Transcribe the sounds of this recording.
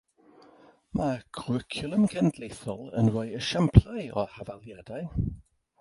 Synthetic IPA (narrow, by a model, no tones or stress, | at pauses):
mʔaɡ̥ʰrɪkʰjʊlˠəmkʰɛndlejθɔlˠə̰nwɔjəʃɛmpʰlajɔhavalˠjadaj